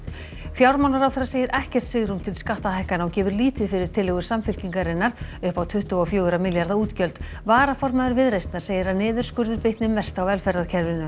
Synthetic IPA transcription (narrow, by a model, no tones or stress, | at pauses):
fjawɾmawnaɾawθɛɾːaseːjɪɾʔɛhcɛr̥t̪sɪɣɾumt̪ʰɪlskaht̪ahajhkanawcɛːvʏɾliːt̪vɪfɪɾɪɾ̥t̪ʰɪlːɛɣʏ̥samfɪl̥ciŋkaɾɪnːaɾ̥ʏhpawt̪ʰʏht̪ʏɔfjœːɣʏɾamɪljaɾðauːt̪cœlt̪ | vaːɾafɔɾmaðʏɾvɪðɾejst̪naɾ̥seːjɪɾaðnɪːðʏɾ̥skʏɾðʏɾpɪht̪nɪmːɛst̪awvɛlfɛɾaðcʰɛɾvɪnʏ